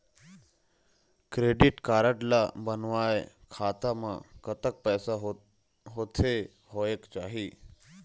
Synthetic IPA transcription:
kɾeːɖɪʈkaːɾəʈlabənʋaːḛ | kʰaːt̪amã̰kət̪ək̚pɛːsaɦ | ɦoːt̪ʰe | ɦoːekt͡ʃaːɦiː

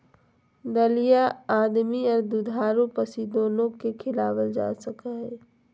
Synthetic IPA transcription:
d̪əlijaaːd̪miɔːɾd̪ud̪ʱaːɾõpɐsid̪oːnõkekʰɪlaːwəld͡ʒa̰ːsəkaɦɛː

